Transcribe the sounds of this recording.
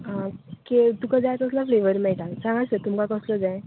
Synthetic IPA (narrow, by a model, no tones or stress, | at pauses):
ɦãket̪ukad͡zajt̪əslafleʋəɾmɛɭʈasãŋɡasət̪umkakəsləd͡zaj